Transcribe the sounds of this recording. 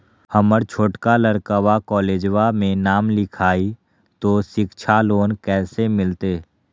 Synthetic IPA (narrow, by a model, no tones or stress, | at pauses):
həməɾt͡ʃʰoːʈkaləɾkəwakɔːleːd͡ʒʋamẽnaːmlɪkʰaːi | t̪oːʃɪkt͡ʃʰaloːnkɛːsemɪlt̪eː